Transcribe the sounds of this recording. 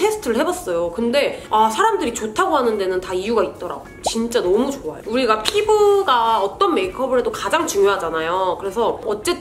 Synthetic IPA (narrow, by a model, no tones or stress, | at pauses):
tʰe̞sʰɯ̥tʰɯɾɯɭhe̞bas͈ʌjokɯnde̞asʰaɾamdɯɾit͡ɕotʰaɡoɦanɯnde̞nɯntaijuɡait̚t͈ʌɾa̰ɡot͡ɕint͡ɕ͈anʌmut͡ɕoajouɾiɡapʰibɯɡaʌt͈ʌnme̞ikʰʌbɯɭɦe̞dokad͡ʑaŋt͡ɕuŋjoɦad͡ʑanajokɯɾe̞sʰʌʌt͡ɕ͈e̞